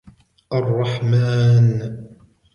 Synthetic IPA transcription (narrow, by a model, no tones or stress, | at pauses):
ʔɑrˤːɑħmaːn